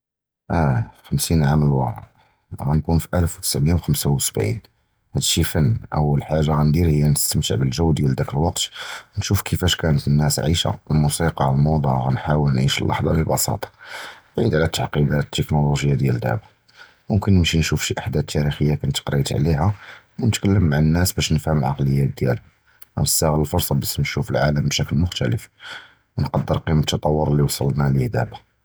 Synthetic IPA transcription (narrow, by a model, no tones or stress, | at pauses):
ʔæxəmsinʕaməlwɑ̰ɾ̰ | ɣænkunfiʔælfwt̪ə̥sʕməjːawxəmsawsəbʕḭn | hæd̪ʃifənːʔə̰wːəlħaʒːaɣænd̪iɾhəjːænəst̪əmt̪əʕbəlʒəwːd̪jæld̪ækəlwɑq̚t̪nʃufkʰəfæʃkænət̪ənːæsʕiʃa̰əlmusiqɑlmod̪ˤuʕɣænħawəlnʕiʃəlːʔɑ̰ħd̪ˤɑləbɑ̰sɑ̰t̪ˤɑ̥ʕid̪ʕlæt̪ːaʕqid̪æt̪ːəknoloʒəjːad̪jæld̪æ̰ʕbḁ | mʊmkənːəmʃinʃufʃiʔaħd̪æt̪ʰːæɾixəjːakænət̪qɾˤit̪ʕlihæwnət̪kælːəmːaʕənːæsbæʃnəfhəmlʕɑ̰qləjːæd̪jæl | æ̰məsːæɣələlfʊɾˤsˤɑbæsnʃufəlʕaləmbʃækəlmʊxt̪æ̰ləf | wnqɑd̪ːəɾqimət̪ːət̪ˤɑwːəɾˤəlːiwɑsˤəlnælihd̪æba